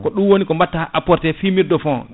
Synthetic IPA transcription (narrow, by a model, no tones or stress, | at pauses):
kɔɗumwonikɔmbatːaʔapɔɾtɛfimiɾdɔfɔ